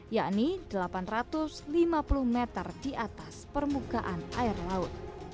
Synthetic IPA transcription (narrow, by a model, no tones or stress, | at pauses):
jaʔnid̥əlapanrat̪ʊslimapulʊhmet̪ərd̥iʔat̪aspərmuɡaʔanaɪrlaʊt̪̚